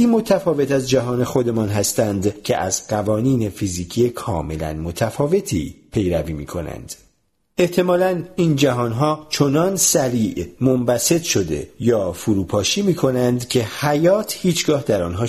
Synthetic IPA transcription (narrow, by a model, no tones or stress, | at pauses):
iːmo̞t̪ʰæfɒːve̞t̪æzd͡ʒæɦɒːne̞xo̞d̪e̞mɒːnɦæst̪ænd̪cʰḛʔæ̰zɢævɒːniːne̞fiziːcʰiːekʰɒ̰ːme̞læ̰nmo̞t̪ʰæfɒːve̞t̪ʰḭːpʰe̞jɾæviːmḭːkʰo̞̰næ̰nd̪̥ | e̞ht̪ʰe̞mɒːlæniːnd͡ʒæɦɒːnɦɒːt͡ʃʰonɒnsæɾiːʔmombæse̞t̪ʃo̞d̪e̞̰jɒːfuɾuːpʰɒːʃiːmiːkʰo̞nænd̪cʰe̞hæjɒːt̪ʰhiːt͡ʃʰɡ̥ɒːhd̪æɾɒːnɦɒː